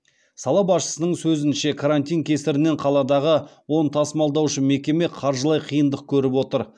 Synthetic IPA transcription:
sɑlˠɑbɑsʃə̥sənəɴsɵzɪnʃe̞kʰaɾant̪ʲijŋkʲʰe̞sɪɾɪne̞ɴqʰɑlˠɑd̪ɑʁəwo̞nt̪ʰɑsmɑlˠd̪ɑwʃəme̞kʲe̞me̞qʰɑɾʒəlˠɑjqʰijənd̪əq̚kʲʰɵɾɪpwo̞t̪əɾ

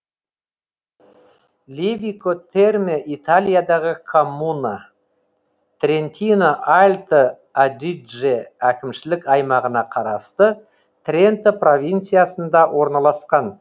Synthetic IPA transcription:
lʲevʲikot̪ʰe̞rmʲeʔit̪alʲijad̪ɑʁəkʰomːuna | t̪ɾʲent̪ʲinoʔalʲt̪ə | ad̪iʒeækʲɪmʃɪlɪkɑjmɑʁənɑqʰɑɾɑst̪ə | t̪ɾʲe̞nt̪əpro̞vʲijnt̪sijasənd̪ɑwo̞ɾnɑlˠɑsqɑn

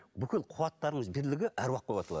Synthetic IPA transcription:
bʏkʲɪlˠqʰuwɑt̪ːɑɾəɴəzbeɾlɪɡʲɪʔæɾwɑq̪̚bobɑt̪ɑlˠɑd

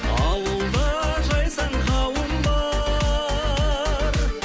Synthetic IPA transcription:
ɑwəlˠd̪əʒɑjsɑɴqʰɑwəmbɑ | ɾ

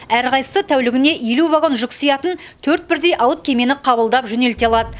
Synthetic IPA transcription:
æɾqʰɑjsə̥sət̪ʰæwlɪɡʲɪne̞ʔjeluvaɡo̞nʒʊksijɑt̪ənt̪ʰɵɾt̪̚bɪɾd̪ejʔɑwət̪̚kʲʰe̞me̞nɪqʰɑbəlˠd̪ɑpʒɵne̞lt̪eɑlˠɑd̪ə

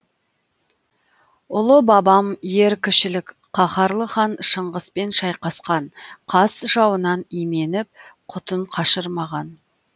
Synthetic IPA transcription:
ʊlˠəbɑbɑmje̞ɾkʲʰɪʃɪlɪk | qʰɑχɑɾlˠəχɑnʃəɴʁəspe̞nʃɑjqɑsqɑɴqʰɑsʒ̥ɑwənɑnime̞nɪp̚qʰʊt̪əɴqʰɑʃəɾmɑʁɑn

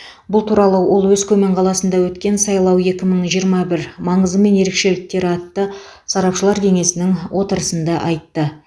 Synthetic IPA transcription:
bʊlˠt̪ʰuɾɑlˠəwʔo̞lˠwɵzkʲʰɵme̞ɴqʰɑlˠɑsənd̪ɑwɵt̪kʲe̞nsɑjlˠɑwe̞kʲɪməɴʒijəɾmɑbɪɾmɑɴəzəme̞nje̞ɾe̞kʃe̞lɪk̚t̪e̞ɾɑt̪ːə | sɑɾɑpʃəlˠɑɾkʲʰe̞ŋe̞sɪnɪŋwʔo̞t̪əɾəsənd̪ɑʔɑjt̪ːə

